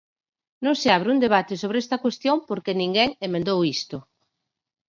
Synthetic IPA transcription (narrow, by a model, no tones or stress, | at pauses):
nõŋseaβ̞ɾɪund̪eβat̪ɪsoβ̞ɾeɛst̪ɐkwest̪joŋpoɾkenĩŋɡɛŋemẽnd̪owist̪ʊ